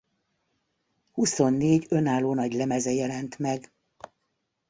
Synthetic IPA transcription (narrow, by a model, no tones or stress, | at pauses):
huso̞nːeːɟønaːlːoːnɒɟlɛmɛzɛjɛlɛnt̪mɛɡ